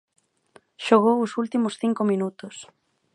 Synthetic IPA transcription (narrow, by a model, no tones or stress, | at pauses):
ʃoɣ̞owʊsult̪imʊsθiŋkomĩnut̪ʊs